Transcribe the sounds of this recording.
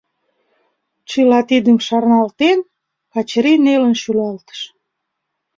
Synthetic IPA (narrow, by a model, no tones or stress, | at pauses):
t͡ɕəlɑt̪id̪əmʃɑrnɑlt̪en | kɑt͡ɕɾinelənʃylɑlt̪ə̥ʃ